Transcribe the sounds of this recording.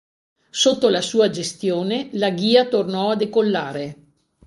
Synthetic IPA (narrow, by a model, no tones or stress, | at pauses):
sot̪ːolasuːad͡ʒest̪joːnelaɡiːat̪ornɔad̪ekolːaːɾe